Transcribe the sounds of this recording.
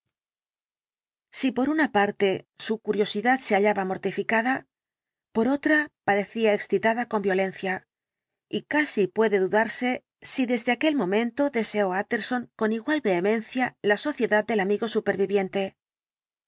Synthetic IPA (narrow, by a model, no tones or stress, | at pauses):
sipo̞ɾunapaɾt̪e̞sukuɾjo̞siðaðse̞aʎaβamo̞ɾt̪ifikaða | po̞ɾo̞t̪ɾapaɾe̞θiaeksθit̪aðako̞mbjo̞le̞nθja | ikasipwe̞ðe̞ðuðaɾse̞ | siðe̞zðe̞ake̞lmõ̞mẽ̞nt̪o̞ðe̞se̞o̞at̪e̞ɾso̞ŋko̞niɣwalβe̞ːmẽ̞n̟θjalaso̞θje̞ðat̪̚d̪e̞lamiɣo̞supe̞ɾβiβje̞nt̪e̞